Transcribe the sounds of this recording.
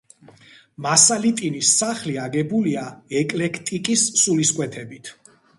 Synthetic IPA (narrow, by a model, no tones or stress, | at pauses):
masalit̪ʼinisːaχliaɡɛbuliaɛkʼlɛkʰt̪ʼikʼisːuliskʼwɛt̪ʰɛbit̪ʰ